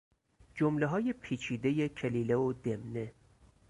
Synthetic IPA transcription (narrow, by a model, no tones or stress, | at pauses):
d͡ʒomleɦɒːje̞pʰiːt͡ʃʰiːd̪ejecʰeliːleod̪e̞mne